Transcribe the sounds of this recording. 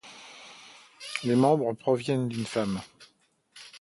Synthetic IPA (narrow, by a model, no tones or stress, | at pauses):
lemɑ̃bʁəpχɔvjɛnd̪ynfam